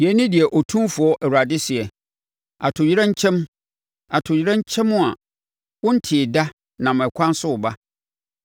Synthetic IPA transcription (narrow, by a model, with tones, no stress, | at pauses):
i˨ɛ˨˦nɪ̃˦dɪ˨ɛ˨ʔɔ˨tʰũ˦mfʊ˨ɔ˦ʔɛ˨a˨dɪ˦sɪ˨ɛ˨ | a˨tʰʊ˨jɾã˦ɲ̩˦t͡ɕʰɛ̃˦m˦ | a˨tʰʊ˨ji˨˦ɾã˦ɲ̩˦t͡ɕʰɛ̃˦mːʊ̃˦a˨ | wʊ̃˦n̩˦tʰɪ˨da˦ | nã˨m˨ɛ˨kʷʰã˦n˦sʊ˦ʊ˨ba˦